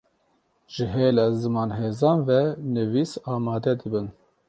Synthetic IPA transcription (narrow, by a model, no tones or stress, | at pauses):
ʒ̥ɨɦeːlɑzɨmɑːnɦeːzɑːnvɛnɨviːsɑːmɑːd̪ɛd̪ɨbɨn